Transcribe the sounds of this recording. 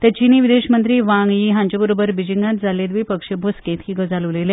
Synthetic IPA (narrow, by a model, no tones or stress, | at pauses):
t̪at͡ɕiniʋid̪eɕmənt̪ɾiːʋãŋɡjiɦãɲd͡ʑəbəɾobəɾbid͡ʑiŋɡãt̪̚d͡zaled̪ʋipəkʂebʱoskẽt̪hiɡəd͡zaləʋlele